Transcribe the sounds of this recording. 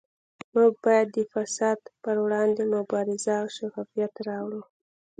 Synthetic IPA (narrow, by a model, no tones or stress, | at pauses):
muɡ̚bɑjad̪ːəfasɑd̪pəɾwɽɑnd̪emʊbɑɾɪzaʃaxɑfijat̪ɾɑwɽu